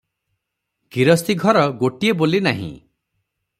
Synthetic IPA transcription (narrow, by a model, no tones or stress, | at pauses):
kiɾɔst̪iɡʱɔɾɔɡoʈiebolinaɦḭ̃